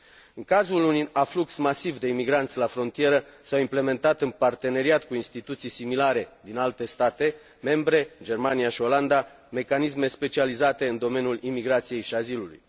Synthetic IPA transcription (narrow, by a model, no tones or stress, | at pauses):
ɨŋkazulunuʔafluksmasivd̪e̞imiɡɾant̪sʲlafɾo̞nt̪ije̞ɾəsawimple̞me̞nt̪at̪ɨnpart̪e̞ne̞ɾiat̪kuinst̪it̪ut̪sijsimilaɾe̞d̪inalt̪e̞st̪at̪e̞ | me̞mbɾe̞d͡ʒe̞rmanijaʃio̞land̪a | me̞kanisme̞spe̞t͡ʃializat̪e̞ɨnd̪o̞me̞njulimiɡɾat̪sije̞jʃiazilulṵj